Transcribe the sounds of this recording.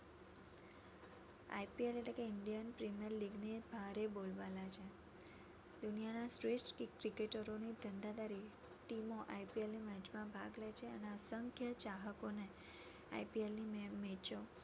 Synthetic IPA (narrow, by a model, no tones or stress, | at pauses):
a̰jpieleʈlekeɪɳɖijənpɾimijəɾliɡnebʱaɾebolʋalat͡ʃʰe | d̪unijanasʈɾesʈkikːɾikeʈəɾonid̪ənd̪ad̪aɾi | ʈimoʔajpielnimad͡ʒmãbʱaɡlet͡ʃʰeəneasəŋkʰjət͡ʃaɦəkone | a̰jpielnimmet͡ʃo